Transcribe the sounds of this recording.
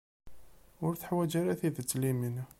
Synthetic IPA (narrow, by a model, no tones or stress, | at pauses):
ʊɾθəħwæd͡ʒaɾæθiðət͡sːlimin